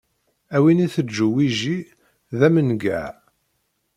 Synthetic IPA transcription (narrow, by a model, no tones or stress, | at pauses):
æwiniθəd͡ʒːuwiʒi | ðæmənɡæʕ